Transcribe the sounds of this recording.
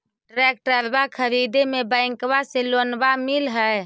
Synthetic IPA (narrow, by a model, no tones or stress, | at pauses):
ʈɾɛk̚ʈɾəɾbakʰəɾid̪emebə̃ɪŋkβaselonbamilɦəe